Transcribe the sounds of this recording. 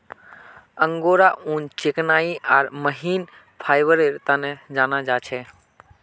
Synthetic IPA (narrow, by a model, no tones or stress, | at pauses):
ə̃ŋɡoːɾaũːnt͡ʃeknaːiʔaːɾməɦiːn | pʰaːjʋəɾeɾt̪anɛd͡ʒaːnad͡ʒaːt͡ʃʰɛ